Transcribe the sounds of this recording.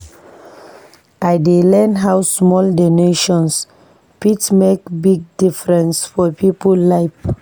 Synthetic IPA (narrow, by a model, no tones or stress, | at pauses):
ʔajdelɛ̃nɦawsmɔldɔneʃɔ̃ns | pitsmekbiɡ̚difɹɛ̃nsfɔpʰipəlaɪp